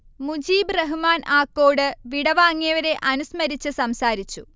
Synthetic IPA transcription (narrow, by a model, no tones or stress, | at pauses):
mud͡ʑiːbrɐɦumaːnʔaːkːoːɽɨʋiɽɐʋaːŋːijɐʋɐɾe̞ʔɐnusmɐɾit͡ɕːɨsɐmsaːɾit͡ɕːu